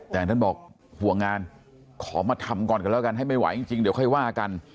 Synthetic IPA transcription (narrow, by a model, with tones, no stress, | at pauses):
t̪ɛː˨˩˨t̪ʰa˥˩bɔː˨˩k̚ | hu˨˩əŋːaː˧n | kʰɔː˩˦maː˧t̪ʰa˧mkɔː˨˩nka˧lɛː˦˥˩ka˧nɦa˥˩jma˥˩jwa̰˨˦jt͡ɕi˧ŋt͡ɕi˧ŋdi˨˦kɔ˥˩jwaː˥˩˧ka˧n